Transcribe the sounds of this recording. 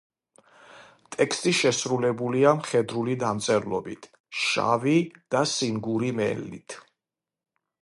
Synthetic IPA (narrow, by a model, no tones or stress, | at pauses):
t̪ʼɛkst̪ʼiʃɛsɾulɛbuliamχɛd̪ɾulid̪amt̪sʼɛɾlˠɔbit̪ʰ | ʃa̰vid̪̥asiŋɡuɾimɛ̰lːḭt̪ʰ